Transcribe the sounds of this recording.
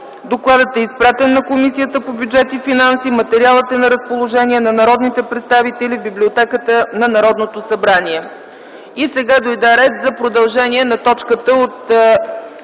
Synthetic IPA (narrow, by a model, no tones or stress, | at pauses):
d̪oklˠad̪ət̪ɛispɾat̪ɛnːɐkomisijət̪əpobʲjud͡ʒɛt̪ifinansimət̪ɛɾialˠət̪ɛnɐɾəspolˠoʒɛniɛnɐnɐɾɔd̪nit̪ɛpɾɛt̪st̪avit̪ɛlibiblʲiot̪ɛkət̪ənɐnɐɾɔd̪not̪osɐbɾaniɛ | isɛɡad̪ojd̪aɾɛt̪zɐpɾod̪ɐlˠʒɛniɛnɐt̪ɔt͡ʃkət̪əot̪